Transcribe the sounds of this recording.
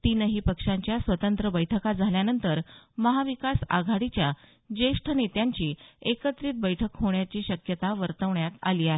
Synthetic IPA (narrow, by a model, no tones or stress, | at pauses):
t̪inəɦiːpəkʂaɲt͡ɕjasʋət̪ənt̪ɾəbəjʈʰəkad͡zʱaljanənt̪əɾməɦaʋikasa̰ɡʱaɽit͡ɕja | d͡ʑeʂʈʰənet̪jaɲt͡ɕiːekət̪ɾiːt̪̚bəjʈʰəkɦoɳjat͡ɕiːɕəkjət̪aʋəɾt̪əʋɳjat̪aliːaɦe